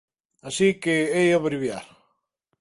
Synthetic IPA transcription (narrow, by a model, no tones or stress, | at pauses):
asikeejoβɾiβja̰ɾ